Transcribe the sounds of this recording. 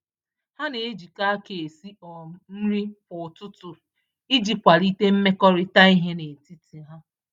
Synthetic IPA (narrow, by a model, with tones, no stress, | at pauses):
ha˦ne˨e˦d͡ʒi˨ka˦ke˨e˨si˦ɔ˨n̩˦ɾi˦pʊ˨tʊ˦tʊ˨ | i˦d͡ʒi˨kʷa˨ɾi˦te˦m̩˦me˦kɔ˦ɾɪ˦ta˦i˦ɦe˦ne˨ti˦ti˨ɦa˦